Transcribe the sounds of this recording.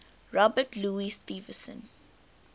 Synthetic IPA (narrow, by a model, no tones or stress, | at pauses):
ɹɔbətluːist̪iːvəsə̰̃n